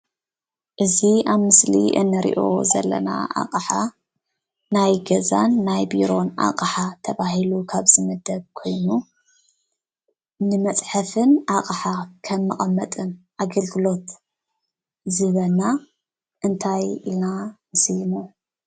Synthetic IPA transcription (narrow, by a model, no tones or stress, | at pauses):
ʔɨziʔaβmɨslḭʔɨ̰nːɨɾḭʔo̞̰zɐ̰lːɐ̰na̰ʔa̰qʼħa | najɡɐzanːajbiɾo̞nʔa̰qʼħat̪ʰɐβaɦilukʰaβzɨmɨd̪ɐβ̚kʰo̞jnu | nɨmɐt͡sʼħɨfɨnʔaqʼħakʰɐmːɨχʼɐmːɐt̪ʼɨnʔaɡɐlɡɨlo̞t̪ | zɨβɐlna | ʔɨnt̪ʰajḭlnamɨsjmu